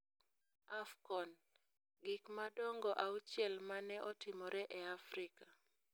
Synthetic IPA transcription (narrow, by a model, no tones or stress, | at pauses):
afkɔn | ɡɪkmadɔŋɡɔʔaut͡ʃɛlmanɛʔɔtɪmɔɾɛʔɛafɾɪka